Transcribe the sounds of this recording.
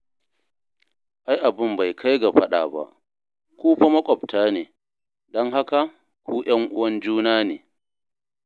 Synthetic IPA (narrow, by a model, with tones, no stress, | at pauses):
ʔa˦jʔa˨bɪ˦mba˨jkʰa˦jɡa˨ɸɐ˦ɗa̰ː˨ba̰˦˨ʔ | kʷuː˦ɸa˦mɐ˦kʷʼɔ˨btʰaː˦neː˨ | dɔ˦ŋɦa˦ka˨ | kʷuː˦j̰ɐ˦ŋʔʊ̰˦wɐ˦nd͡ʒuː˦naː˦neː˨